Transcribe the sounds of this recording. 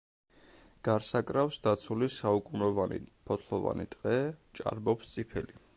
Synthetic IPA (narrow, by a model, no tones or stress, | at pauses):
ɡ̥aɾsakʼɾafsd̪at̪sʰulisaukʼunɔvanḭpʰɔt̪ʰlˠɔva̰nḭt̪ʼqʼɛt͡ʃʼa̰ɾbɔpst̪sʼipʰɛli